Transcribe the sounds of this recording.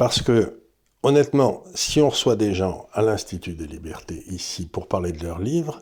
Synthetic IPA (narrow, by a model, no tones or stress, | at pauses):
paʁsə̥kə | ɔnɛt̪mɑ̃siɔ̃ʁəswad̪eʒɑ̃alɛ̃st̪it̪yd̪əlibɛʁt̪eʔisipuʁpaʁled̪əlœʁlivʁ